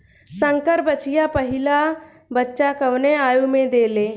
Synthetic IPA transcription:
sə̃ŋkəɾbət͡ʃijapəɦɪla | bətːʃakəʋneaːjumẽd̪eːleː

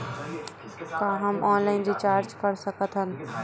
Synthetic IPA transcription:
kaːɦɐmɔːnlaːɪnɾit͡ʃaːɾd͡ʒkɐɾsɐkət̪ɦən

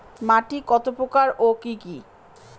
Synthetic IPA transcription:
maʈikɔt̪opɾokaɾokiki

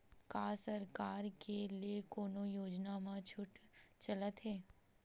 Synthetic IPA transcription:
kaːsəɾkaːɾkeliekoːnojoːd͡ʒnamãt͡ʃʰʊʈt͡ʃələt̪ɦeː

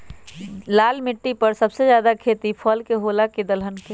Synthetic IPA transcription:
laːlmɪʈːipəɾsəbsed͡ʒjaːd̪akʰet̪ipʰəlkeɦolaked̪əlɦənke

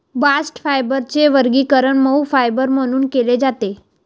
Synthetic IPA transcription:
basʈfajbəɾt͡seʋəɾɡiːkəɾəɳməwfajbəɾm̤əɽ̃uːnkeled͡zat̪e

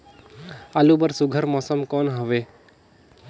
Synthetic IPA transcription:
alubəɾsuɡʱəɾmɔːsəmkɔnɦəʋe

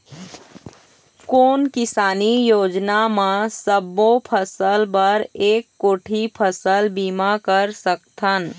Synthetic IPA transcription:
koːnkɪsaːnijoːd͡ʒnamãsəbːopʰəsəlbəɾeːkːoːʈʰipʰəsəlbiːmakəɾsəkt̪ʰən

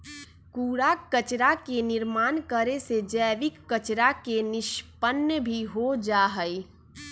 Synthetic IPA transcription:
kuːɽakət͡ʃɾakenɪɾmaːnkəɾesed͡ʒəːʋɪkːət͡ʃɾakenɪʃpənjəbʱiɦod͡ʒaːɦəi

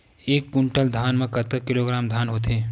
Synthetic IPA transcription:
eːkːʊɳʈəld̪ʱaːnmẽkət̪əkɪloːɡɾaːmd̪ʱaːnɦoːt̪eː

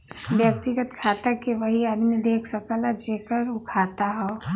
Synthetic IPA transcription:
ʋjək̚t̪iɡət̪kʰaːt̪əkeʋəɦiaːd̪mid̪eːkʰsəkalad͡ʒeːkəɾʊkʰaːt̪aɦɛ

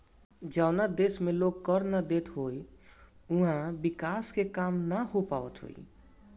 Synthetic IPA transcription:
d͡ʒawnad̪esmeloɡkəɾnad̪et̪ɦoj | uɦãbikaskekamnaɦopaʋət̪ɦo̰j

